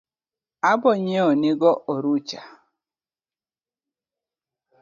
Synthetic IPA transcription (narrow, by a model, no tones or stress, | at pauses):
abʊɲeoniɡɔʔoɾut͡ʃa